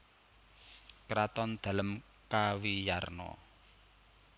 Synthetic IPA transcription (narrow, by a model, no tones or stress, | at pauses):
kɾat̪ɔnd̪̥ä̤ləm | kawijarnɔ̰